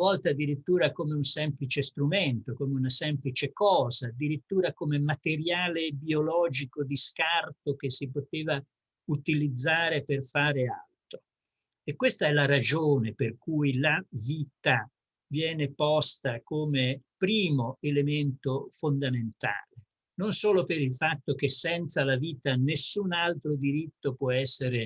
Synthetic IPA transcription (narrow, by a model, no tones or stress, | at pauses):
vɔlt̪ad̪ːiɾit̪ːuːɾakomeunsɛmplit͡ʃest̪ɾument̪okomeunasɛmplit͡ʃekɔːzaːd̪ːiɾit̪ːuːɾakomemat̪eɾjaːlebiolɔːd͡ʒikod̪iskart̪ok̟esːipot̪eːva | ut̪ilid̪zːaːɾeperfaːɾea̰lt̪ɾo | ekːwest̪aɛlaɾad͡ʒoːneperkujlaviːt̪a | vjɛːnepɔst̪akomepɾiːmoelement̪ofond̪ament̪a̰ːle | nonsoːlopeɾilfat̪ːok̟esːɛnt̪salaviːt̪anesːunalt̪ɾod̪iɾit̪ːopwɔɛsːeɾe